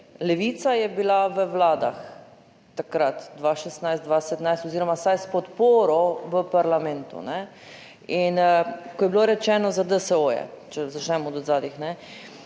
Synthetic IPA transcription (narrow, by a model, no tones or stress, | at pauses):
lɛʋiːt̪sajɛbilaʋəwlaːd̪a̰xː | akɾat̪d̪ʋaʃɛst̪najst̪d̪ʋasɛt̪najst̪ɔziːɾɔmasajspɔt̪poːɾɔʋəpaɾlamɛ̃nt̪ṵnɛ | inkoɔjɛbiloɾɛt͡ʃɛːnɔzad̪əsəojɛ̰t͡ʃɛzat͡ʃnɛmɔd̪ɔzaːd̪ixnɛ